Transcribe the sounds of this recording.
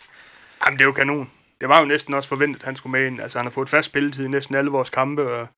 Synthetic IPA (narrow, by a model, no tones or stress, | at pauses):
jɑɪmnd̥e̝jokʰæno̝̰ːn | d̥e̝ʋɑ̈jo̝nesd̥n̩ɒ̽sfɒ̽ʋen̰d̥ð̩ˠhænsɡ̥umeenælsəhænhɑ̈fɔ̽ːð̩ˠfæsd̥b̥e̝lət͡sʰiðˠinesd̥n̩æləʋɒːskʰɑ̈mb̥əɒ